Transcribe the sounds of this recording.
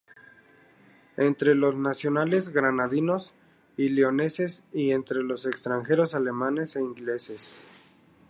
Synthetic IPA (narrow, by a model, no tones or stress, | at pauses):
e̞nt̪ɾe̞lo̞znasjo̞nale̞zɣɾanaðino̞s | ileo̞ne̞se̞sie̞nt̪ɾe̞lo̞se̞kst̪ɾaŋxe̞ɾo̞sale̞mane̞seiŋɡle̞se̞s